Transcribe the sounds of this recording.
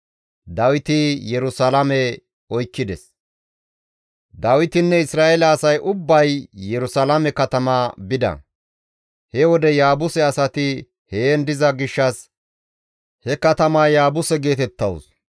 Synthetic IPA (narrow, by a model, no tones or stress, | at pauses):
d̪ɐwɪt̪ɪjɛɾʊsɐlɐmɛ | ɔjkːɪd̪ɛs | d̪ɐwɪt̪ɪnːɛɪsɾaːʔɛlɐːsɐjʔʊbːɐjjɛɾʊsɐlamɛkɐt̪ɐmaːbɪd̪ɐ̰ | hɛwɔd̪ɛjaːbʊsɛɐsɐt̪ɪ | heːnd̪ɪzɐɡɪʃːɐs | hɛkɐt̪ɐmaːjaːbʊsɛɡe̞ːt̪ɛt̪ːɐws